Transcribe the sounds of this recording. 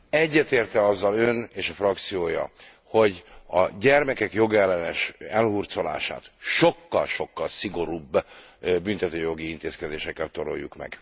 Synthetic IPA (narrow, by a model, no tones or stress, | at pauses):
ɛɟːɛt̪eːrt̪ɛɒzːɒløneːʃɒfrɒk̚t̪sijoːjɒ̰ | ho̞ɟɒ̰ɟɛrmɛkɛkjo̞ɡɛlːɛnɛʃɛlhurt̪so̞la̰ːʃa̰ːt̪ʃo̞kːɒlʃo̞kːɒlsiɡo̞ɾuːbːbynt̪ɛt̪øːjo̞ɡiint̪eːskɛd̪eːʃɛkːɛlt̪o̞ɾo̰jːukmɛ̰ɡ̥